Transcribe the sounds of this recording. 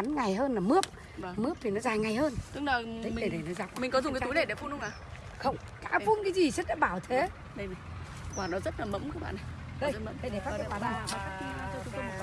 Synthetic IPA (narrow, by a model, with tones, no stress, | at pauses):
a˨˦nŋa˨˩jɦəː˧nlaː˨˩mɨ˦˥əp̚ | mɨ˦˥əp̚t̪ʰi˨˩nɔ˨˦zaː˨˩jŋa˨˩jhəː˧nt̪ɨ˨˦k̚laː˨˩i˨˦i˨ɗe˧˩ɗe˧˨˩nɔ˨˦za˨˩k͡p̚mi˨˩ŋ̟kɔ˨˦zʊ˨˩ŋ͡mka˨˦tu˨˦jɗe˧˩ɗe˧˩fu˧nhə˧ŋ͡mʔaː˨˩ | xə˧wŋ͡m | ka̰ː˧˥fu˧nkaː˨˦jzi˨˩sə˦˥t̚ɗa̰ː˧˥ɓaː˧˩wt̪ʰe˨˦ | ɗə˧jvi˨˩ | kwaː˧˩nːɔ˨˦zə˦˥t̚laː˨˩mə̰˧˥mkaː˨˦˥ɓa̰ː˧˨n˨ɗə˧˩˦ə˧˩ɗe˧˩faː˦˥˧kːkwaː˧˨˩a˧˩˨a˦˥k̚ː